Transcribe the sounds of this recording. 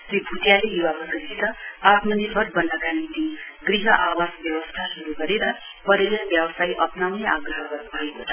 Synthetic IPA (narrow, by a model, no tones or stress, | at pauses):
ibʱut̪jalejuwabʌkisʰit̪ʌat̪mʌnirbʱʌɾbʌnːʌkanit̪iɡriɦʌʔawasbjʌwʌst̪ʰasuɾuɡʌɾeɾʌ | pʌɾelʌbjʌwʌsajʔʌpnawneaɡrʌɦʌɡʌrnubʱʌekot̪